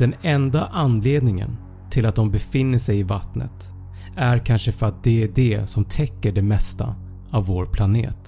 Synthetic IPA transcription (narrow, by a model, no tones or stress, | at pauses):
d̪̥ɛnɛnd̪aʔanːleːd̪nɪŋə̰n | t̪ʰɪlat̪̚d̪ɔmbɛfɪnːəʂɛjɪvat̪nə̰t̪ | æɾkʰanʂəfœɾat̪̚d̪ɛæɖɛsɔmt̪ʰɛkːəɖɛmɛst̪a̰ | avːoːɾpʰlanḛːt̪